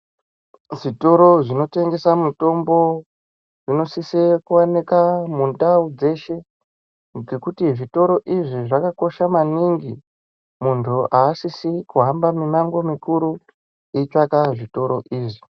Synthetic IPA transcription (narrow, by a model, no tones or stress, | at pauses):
ʐito̞ɾo̞ʐino̞te̞ŋɡe̞samuto̞mbo̞ | ʐino̞sisekuwanekamundaud͡ze̞ʃe̞ | d͡ze̞kutiʐito̞ɾo̞ʔiʐiʐakako̞ʃamaniŋɡi | muntʰuʔaːsisikuɦambaminaŋɡo̞mikuɾu | it͡ʃakaʐito̞ɾo̞ʔiːʐi